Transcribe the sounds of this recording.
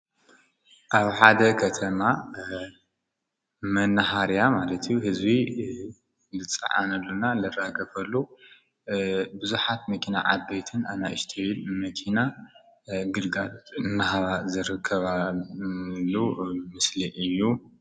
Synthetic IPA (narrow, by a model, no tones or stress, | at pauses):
ʔaβħad̪ɐkʰɐt̪ʰɐma | mɐnːaɦaɾjamalɐt̪ʰijuhɨzbi | lɨt͡sʼɐ̰ʕa̰nɐlːunalɐraɡɐfɐlːu | bɨzuħat̪mɐkʰina̰ʕa̰bejt̪ʰɨna̰βnaɨʃt̪ʰɐβilmɐkʰina | ɡɨlɡalʼnːaɦaβazɨɾɨkʰːɐβa | lːumɨsliʔɨjːu